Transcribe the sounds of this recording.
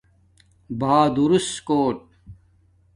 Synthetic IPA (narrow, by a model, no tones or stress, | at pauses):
baːd̪uɾustkoːʈ̚